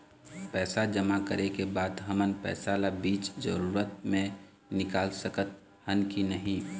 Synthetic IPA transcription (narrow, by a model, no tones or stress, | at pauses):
pɛːsad͡ʒəmakəɾekebaːd̪ɦəmənpɛ̰ːsalabiːt͡ʃd͡ʒə̰ɾuːɾət̪̚mẽ | nɪkaːlsəkət̪̚ | hənkinəɦĩ